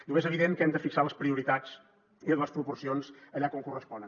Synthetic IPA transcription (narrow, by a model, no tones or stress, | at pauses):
ʎukezəβ̞iðeŋkɛmd̪əfiksaləspɾiuɾit̪ad͡z | iləspɾupursionzəʎakoŋkurəspɔnən